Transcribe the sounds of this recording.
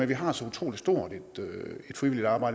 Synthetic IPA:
enʋiɦɑ̈sɒ̽ut͡sʰʁo̝̰ːlisd̥o̝ɐ̰d̥e̝d̥øe̝d̥fʁiʋilid̥ɑ̈ːbɑ̈ɪ̰d

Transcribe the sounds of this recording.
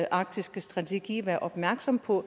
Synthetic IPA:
ʔɑ̈ɡ̥̚d̥isɡ̥əsd̥ʁɑ̈t͡sʰe̝ɡ̥ḭːʋæɐʔɒ̽b̥mæɐɡ̥sɒ̽m̰pʰɒ̽

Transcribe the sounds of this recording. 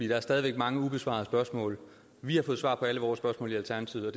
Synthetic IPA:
ḭːd̥ɑ̈æɐsd̥ɛːðˠiʋeɡ̥̚mɑ̈ŋəub̥e̝sʋɑ̰̈ð̩ˠəsb̥ɶɐsmɔ̰̽ːl | ʋihɑ̈fɔ̽ːð̩ˠsʋɑ̰̈ːpʰɒ̽æləʋɒːsb̥ɶɐsmɔ̰ːliælt͡sʰæɐnæt͡sʰiʊɒ̽d̥

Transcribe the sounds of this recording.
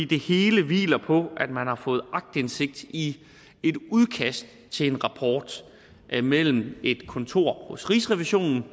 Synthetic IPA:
ḭːd̥e̝he̝ːləʋḭːlɐpʰɔ̽ʔæd̥mænhɑ̈fɔ̽ːð̞̩ˠɑ̈ɡ̥̚d̥ense̝ɡ̥̚d̥i | e̝d̥uðˠkʰæsd̥ | t͡sʰe̝le̝nʁɑ̈pʰɒːd̥ | ʔmel̰m̩e̝d̥kʰɔ̽nt͡sʰo̝̰ɐ̰hɔ̽sʁisʁɛʋiɕo̝̰ːnn̩

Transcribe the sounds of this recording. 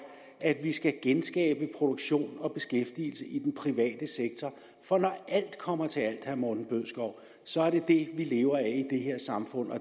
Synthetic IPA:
æd̥ʋisɡ̥æɡ̥ensɡ̥ɛ̰ːb̥əpʰʁo̝d̥o̝ɡ̥ɕo̝̰ːnɒ̽b̥e̝sɡ̥efd̥ḭːl̩səʔid̥enpʰʁiʋɛ̰ːd̥əseɡ̥̚t͡sʰɒ | fɒ̽nɒʔæl̰d̥kʰɒ̽m̰ɐt͡sʰe̝æl̰d̥hæɐmɒːd̥n̩b̥øð̰ˠsɡ̥ɒʊ̰ | sɒ̽æɐɾ̥e̝d̥e̝ʋile̝ːʊɐæid̥e̝ɦe̝ɐ̰sɑ̈mfɔ̽n̰ɒ̽

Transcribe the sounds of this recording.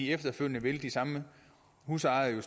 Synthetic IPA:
iefd̥ɐføl̰jnəʋeld̥isɑ̈mə | huːsɑ̈ɪðˠjo̝s

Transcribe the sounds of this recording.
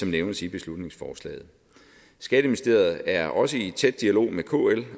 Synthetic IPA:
ɒ̽mneʊnəsib̥e̝slud̥ne̝ŋsfɒːslɛ̰ːð̩ˠ | sɡ̥ɛd̥əmisd̥e̝̰ːɐð̞̩ˠæɐʔɒ̽səit͡sʰed̥ːiælo̝̰ːmekʰo̝̰ːel

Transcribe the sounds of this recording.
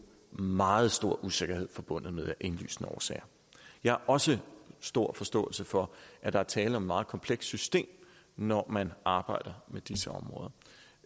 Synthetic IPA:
mɑ̈ːð̞̩ˠsd̥o̝ɐ̰ʔuse̝ɡ̥ɐhe̝ð̞̰ˠfɒ̽b̥ɔ̽n̰ð̩ˠmeðˠʔe̝nly̰ːsnəɒ̰ːsɛ̰ːɐ | jɑ̈ɪhɑʔɒ̽səsd̥o̝ɐ̰fɒ̽sd̥ɔ̰̽ːl̩səfɒ̽ʔæd̥ɑ̈æɐt͡sʰɛːləɒ̽me̝̥mɑ̈ːð̩ˠkʰɒ̽mpʰleɡ̥ssysd̥e̝̰ːm | nɒmænɑ̈ːb̥ɑ̈ɪ̰d̥ɐmed̥isəɒ̽mʁɔ̽ːð̞ˠɐ

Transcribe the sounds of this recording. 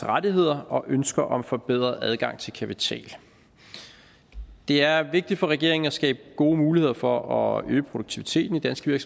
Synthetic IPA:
ʁad̥iɦe̝ð̰ˠɐʔɒ̽ʔønsɡ̥ɐʔɒ̽mfɒ̽b̥eð̞̰ˠʁɐʔæð̞ˠɡ̥ɑ̈ŋ̰t͡sʰe̝lkʰæpʰit͡sʰɛ̰ːl | d̥e̝æɐʋe̝ɡ̥̚d̥id̥fɒ̽ʁɛɡ̥e̝ɐ̰e̝ŋn̩ɒsɡ̥ɛ̰ːb̥əɡ̥o̝ːmuːlihe̝ð̞̰ˠɐfɒ̽ɒø̰ːpʰʁo̝ɾouɡ̥̚t͡sʰiʋit͡sʰe̝̰ːd̥n̩id̥ænsɡ̥ʋiɐɡ̥sm

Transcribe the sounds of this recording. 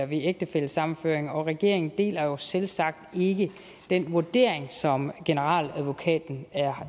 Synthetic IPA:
ɐʋieɡ̥̚d̥əfel̰sɑ̈mn̩fø̰ɐ̰eŋɒ̽ʁɛɡ̥e̝̰ɐ̰e̝ŋn̩d̥e̝̰ːlɐjo̝selsɑ̈ɡ̥̚d̥e̝ɡ̥ə | d̥en̰ʋuɐd̥e̝̰ɐ̰eŋsɒ̽mɡ̥e̝nəʁɑ̰̈ːlæðˠʋo̝kʰɛ̰ːd̥n̩æɐ

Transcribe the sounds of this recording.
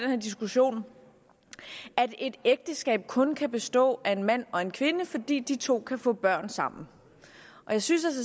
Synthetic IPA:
denheɐ̰d̥isɡ̥uɕo̝̰ːn | æd̥e̝d̥eɡ̥̚d̥əsɡ̥ɛ̰ːb̥̚kʰɔ̽nkʰæb̥e̝sd̥ɔ̰̽ːʔæe̝nmæn̰ɒ̽e̝nkʰʋe̝nəfɒ̽d̥ḭːd̥it͡sʰo̝̰ːkʰæfɔ̰̽ːb̥ɶɐ̰nsɑ̈m̰n̩ | ʔɒ̽jɑ̈ɪsynsæls̬ə

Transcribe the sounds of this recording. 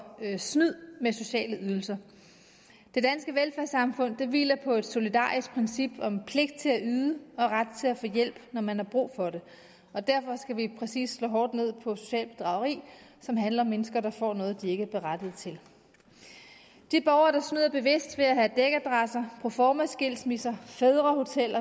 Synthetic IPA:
snyð̰ˠmeso̝ɕɛ̰ːləʔyð̞ˠl̩sɐ | d̥e̝d̥ænsɡ̥əʋelfæɐsɑ̈mfɔ̽n̰d̥e̝ʋḭːlɐpʰɒ̽e̝d̥so̝lid̥ɑ̰̈ːisɡ̥̚pʰʁɛnsib̥ɒ̽mpʰle̝ɡ̥d̥̚t͡sʰe̝læʔyːðˠəɒ̽ʁad̥̚t͡sʰe̝læfɔ̰ːjel̰b̥nɒmænhɑ̈b̥ʁṵːfɒ̽ɾe̝ | ɒ̽d̥æɐfɒ̽sɡ̥æʋipʰʁɛsḭːsslɔ̰ːɦɒːd̥ne̝ð̞̰ˠpʰɒ̽so̝̥ɕɛ̰ːlb̥e̝d̥ʁɑ̈ʊɐʁḭːsɒ̽mɦænlɐɒ̽mːenəsɡ̥ɐɾ̥ɑ̈fɒ̰ːnɔ̽ːð̞̩ˠd̥ie̝ɡ̥əæɐb̥e̝ʁad̥əð̞̩ˠt͡sʰe̝l | d̥ib̥ɒʊɐɾ̥ɑ̈snyð̰ˠɐb̥e̝ʋe̝sd̥ʋe̝æɦæd̥eɡ̥æd̥ʁɑsɐpʰofɒːmæsɡ̥e̝l̰smisɐfeðˠʁɐho̝t͡sʰel̰ɐ

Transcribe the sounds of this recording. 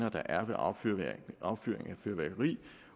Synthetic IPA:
nɐd̥ɑ̈ʔæɐʋe̝ʔɒ̥ | ɒʊb̥fy̰ːɐ̰eŋæføɐʋæːɡ̥ɐʁḭː

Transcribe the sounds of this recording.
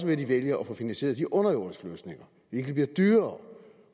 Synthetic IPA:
səʋed̥iʋeljɐɒfɔ̽finænse̝̰ːɐðˠd̥iʔɔ̽nɐjoɐ̰d̥əsɡ̥lø̰ːsne̝ŋɐ | ʋee̝ɡ̥d̥ibliɐd̥yːɐː

